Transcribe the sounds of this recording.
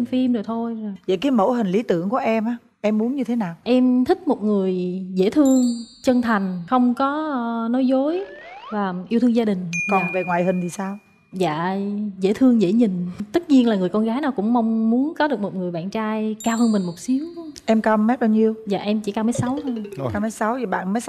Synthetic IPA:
fi˧mzo˨˩jt̪ʰo˧jzjzə̰˧˨jkaː˨˦jmo̰˧˥ɦï˨˩ŋ̟li˨˦t̪ɨ̰˧˨əŋku˧˩əʔɛ˧mʔaː˨˦ | ʔɛ˧mːu˨˦nɲɨ˧t̪ʰe˨˦naː˨˩wʔɛ˧mt̪ʰï˦˥k̚mo˨˩t̚ŋɨ˨˩əjzḛ˧˥t̪ʰɨ˧əŋt͡ɕə˧ŋt̪ʰa˨˩jŋ̟xə˧wŋ͡mkɔ˨˦nɔ˨˦jzo˨˦jvaː˨˩ʔi˧wt̪ʰɨ˧ŋzaː˧ɗï˨˩ŋ̟kɔ˨˩nve˨˩ŋwaː˨˩jɦï˨˩ŋ̟t̪i˨˩saː˧w | za̰ː˧˨zḛ˧˩t̪ʰɨ˧əŋzḛ˧˩ɲï˨˩ŋ̟t̪ə˦˥t̚ɲi˧ənlaː˨˩ŋɨ˨˩əjkɔ˧nɣaː˨˦jnaː˨˩wkʊ̰˧˥ŋ͡mma˧wŋ͡mmu˨˦ənkɔ˨˦ɗɨ˨˩ək̚mo˨˩t̚ŋɨ˨˩əjɓa̰ː˧˨nt͡ɕaː˧jkaː˧whəː˧nmï˨˩ŋ̟mo˨˩t̚si˨˦əwʔɛ˧mkaː˧mɛ˦˥t̚ɓaː˧wɲi˧əwza̰ː˧˨ʔɛ˧mt͡ɕḭ˧˩ka˧wmə˨˦jsa˨˦wt̪ʰo˧jkaː˧wmə˨˦jsa˨˦wzjɓa̰ː˧˨nmə˨˦j

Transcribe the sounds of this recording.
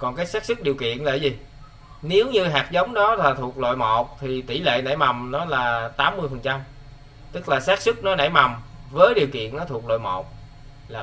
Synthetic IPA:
kɔ˨˩nkaː˨˦jsaː˦˥k̚sɨ˦˥k̚ɗi˨˩əwkḭ˧˨ənla̰ː˧˨jzi˨˩ | ne˨˦wɲɨ˧ɦaː˨˩k̚zə˨˦wŋ͡mɗɔ˨˦laː˨˩t̪ʰu˨˩ək̚lo̰˧˨jmo˨˩t̚t̪ʰi˨˩t̪i˧˩lḛ˧˨na̰˧˩jma˨˩wŋ͡mnɔ˨˦laː˨˩t̪aː˨˦mːɨ˧əjfə˨˩nt͡ɕa˧m | t̪ɨ˦˥k̚laː˨˩saː˦˥k̚sɨ˦˥k̚nɔ˨˦na̰˧˩jma˨˩wmvəː˨˦jɗi˨˩əwkḭ˧˨ənːɔ˨˦t̪ʰu˨˩k̚lo̰˧˨jmo˨˩t̚ | laː˨˩

